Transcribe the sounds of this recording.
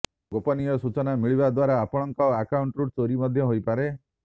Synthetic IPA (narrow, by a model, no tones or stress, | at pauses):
ɡopɔnijɔsut͡ʃɔnamiɭibad̪waɾaːpɔɽ̃ɔŋkɔakauɳʈɾuʈ̚t͡ʃoɾimɔd̪ʱjɔɦojpaɾe